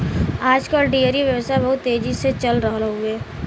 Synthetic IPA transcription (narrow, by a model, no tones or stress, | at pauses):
aːd͡ʒkoɖiəɾiʋjəʋsabɐɦʊt̪ːeːd͡ʒiset͡ʃɐlɾəɦlɦueː